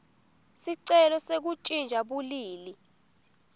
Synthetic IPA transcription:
siǀɛlɔsek̬ut͡ʃʼind͡ʒʱaɓuliːli

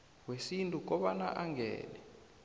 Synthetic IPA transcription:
wesintʼuk̬ʼɔɓanaʔaŋɡɛ̰ːlɛ

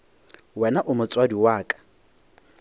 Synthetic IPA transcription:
wɛnaʔʊmʊt͡sʼwadiwaːkʼḁ

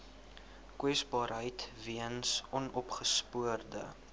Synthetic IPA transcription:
kwɛsbɑːɾɦəjtviənsʔɔnɔpχəspuərdə

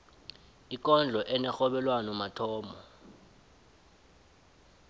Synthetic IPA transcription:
ik̬ʼɔnd͡ɮʱɔʔɛnɛxɔɓɛlwanɔmatʰɔːmɔ

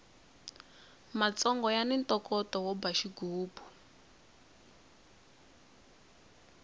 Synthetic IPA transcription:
mat͡sɔŋɡɔjanintɔkɔtɔwɔbaʃiɡuːbu

